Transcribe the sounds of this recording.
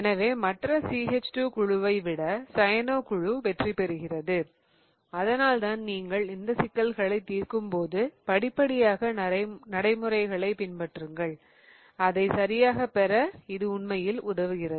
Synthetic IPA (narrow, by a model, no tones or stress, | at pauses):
ɛnɐʋeːmɐʈrɐsiːɦɛt͡ʃʈuːkʊɻʊʋɐɪʋɪɽɐsɐjɐnoːkʊɻuʋɛʈripɛɾɯɣɪrɐðɯ | ɐðɐnaːlt̪aːnniːŋɡɐɭɪnd̪ɐsɪkːɐlɣɐɭɐɪt̪ːiːɾkɯmpoːðɯpɐɽɪpːɐɽɪjaːɣɐnɐɽɐɪmɯrɐɪɣɐɭɐɪpɪnpɐʈrɯŋɡɐɭ | ɐðɐɪsɐɾɪjaːɣɐpɛɾɐɪðɯʊnmɐjɪlʊðɐʋɯɣɪrɐðɯ